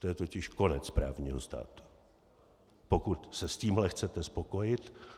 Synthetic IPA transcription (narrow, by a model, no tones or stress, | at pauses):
t̪ojɛt̪o̞cɪʃko̞nɛt͡spɾa̰ːvɲiːɦost̪a̰ːt̪u̥ | po̞kut̪sɛsciːmɦlɛxt͡sɛt̪ɛspo̞ko̞jɪt̪